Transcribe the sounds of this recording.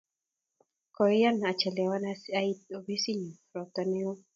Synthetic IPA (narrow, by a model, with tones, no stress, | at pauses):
kɔ˨˦ja˦na˨t͡ʃɛ˨lɛ˨wa˦nasai˦t̪̚o˨bi˦si˦ɲi˨ | ɾɔ˨t̪a˨nɛ˦ɔ˦